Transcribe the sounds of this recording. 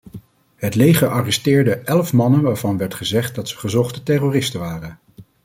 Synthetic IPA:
ɦətlejχəɹʔɑrɛstɪːɹdəʔɛlfmɑnənʋaːɹvɑnʋɛɹtχəzɛχt̚dɑtsəχəzɔχtətɛroːrɪstəʋaːrən

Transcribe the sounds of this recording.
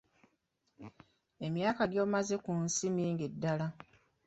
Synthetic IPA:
e̞mjaːkaɡjoːβumaze̞kunsiniːŋɡidːala

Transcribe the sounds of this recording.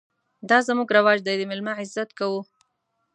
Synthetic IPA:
d̪ɑzmuɡɾawɑd͡ʒd̪ajd̪əmɪlmaʕɪzat̪kawu

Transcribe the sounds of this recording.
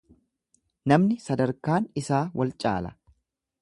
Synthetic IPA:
nɐmnɪsɐd̪ɐɾkaːnɪsaːwɐlt͡ʃʼa̰ːlɐ̥

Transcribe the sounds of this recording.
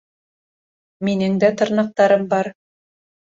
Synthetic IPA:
minɘŋd̪æt̪ŏɾnɑq̚t̪ɑɾɤmbɑɾ

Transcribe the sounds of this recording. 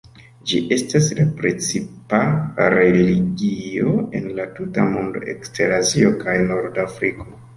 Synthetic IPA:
d͡ʒiʔe̞staslapɾet͡sipaɾe̞leliɡio̞e̞nlatuta̰mondo̰ḛksteɾazio̞kajno̞ɾdafɾiko̞

